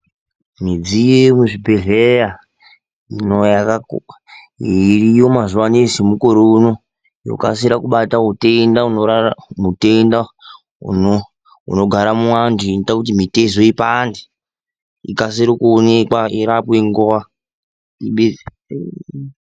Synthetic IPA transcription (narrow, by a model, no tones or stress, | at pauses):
mid͡zijomuʐibʱeɮeja | inojakak | irijomazuwanisimukoɾouno | jo̰ka̰siɾakuɓatautendaunoɾaamutenda | ṵno | ṵno̞ɡʱaɾamuwandinitakut̬imitezoipandi | ḭkasiɾikuonekwaiɾapweŋɡowa | iɓe